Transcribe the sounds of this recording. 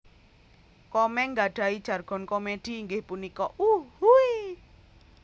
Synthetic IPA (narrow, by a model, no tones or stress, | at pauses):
kɔmɛŋɡaɖ̥aid̥d͡ʒ̥a̤rɡ̥ɔnkɔmed̥i̤ːŋɡehpunikɔʔuhui